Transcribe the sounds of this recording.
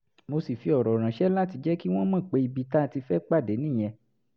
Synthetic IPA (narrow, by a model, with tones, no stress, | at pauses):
mo˧si˨fi˧ɔ˨ɾɔ˨ɾ̃ã˨ʃɛ˦la˦ti˧d͡ʒɛ˦ki˦w̃ɔ̃˦mã˦˨k͡pe˧i˧bi˧ta˦˧ti˧fɛ˦k͡pa˦˨de˨˦nĩ˦˨j̃ɛ̃˧